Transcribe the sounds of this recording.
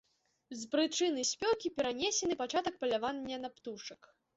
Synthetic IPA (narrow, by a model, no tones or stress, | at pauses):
zpɾɨt͡ʂɨnɨsʲpʲɔkʲipʲɛɾanʲɛsʲɛnɨpat͡ʂat̪ɐk̚pɐlʲavanʲːɐnapt̪uʂɐk